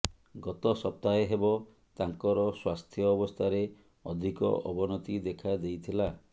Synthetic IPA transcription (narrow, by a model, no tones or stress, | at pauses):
ɡɔt̪ɔsɔp̚t̪aeɦebɔ | t̪aŋkɔɾɔswast̪ʰjɔːbɔst̪ʰaɾe | ɔd̪ʱikɔ̰ʔɔbɔnɔt̪id̪ekʰad̪ejt̪ʰila